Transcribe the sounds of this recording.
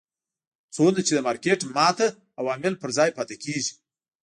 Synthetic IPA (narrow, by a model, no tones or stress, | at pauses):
t͡sonat͡ʃed̪əmɑɾkeʈmɑt̪a | awɑmɪlpəɾzɑjpɑt̪akeʒi̥